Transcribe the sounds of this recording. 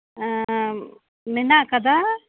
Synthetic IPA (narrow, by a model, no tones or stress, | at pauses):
mɪnakɐd̪a